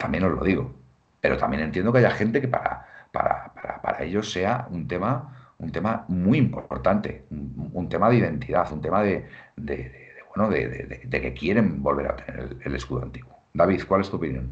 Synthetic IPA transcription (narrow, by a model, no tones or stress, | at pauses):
t̪ambjeno̞zlo̞ðiɣo̞ | pe̞ɾo̞t̪amjenent̪jend̪okajaxe̞nt̪e̞kepaɾa̰pa̰ɾa̰paɾapa̰ɾae̞ʎo̞sːe̞aunt̪e̞ma | unt̪e̞mamuiimpo̞̰ɾt̪ant̪e̞̰ununt̪e̞maðeiðe̞nt̪iðaθunt̪e̞maðe̞d̪e̞̰ðeðeβwe̞noðḛðḛðed̪eke̞kje̞ɾe̞mbo̞lβe̞ɾa̰t̪e̞ne̞̰ɾḛle̞le̞skuðoa̰nt̪iɣwod̪aβ̞iθkwalest̪uo̞pinjõ̞̰n